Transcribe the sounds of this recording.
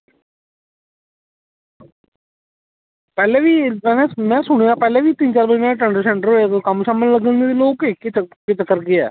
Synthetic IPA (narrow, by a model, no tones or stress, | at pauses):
pɛːlɛ̃ːʋiːɛ̃nɛ̃ːmɛ̃ːsʊɽ̃eãːpɛːlɛ̃ːʋiːt̪ɪnt͡ʃaːɾʋəd͡ʒmɛ̃ːʈəɳɖəɾsɛɳʈəɾɦoːat̪okəmʃaːməlləɡə̃nd̪eːiloːkekəkɪt͡ʃəkːəɾɡeɛ̰ː